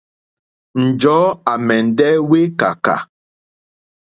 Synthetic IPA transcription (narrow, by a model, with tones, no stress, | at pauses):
n̩˨d͡ʒɔː˨˦a˨mɛ˨n̩˨dɛ˦we˦ka̰˨ka̰˨